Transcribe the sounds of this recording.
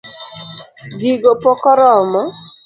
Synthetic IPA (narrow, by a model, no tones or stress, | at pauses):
ɡiɡopɔkɔɾɔmɔ